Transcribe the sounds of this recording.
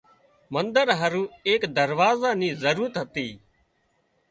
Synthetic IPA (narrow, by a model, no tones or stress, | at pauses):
mənd̪əɾɦəɾũːeːkd̪əɾʋaːzaːnĩːzəɾuːɾət̪ɦət̪iː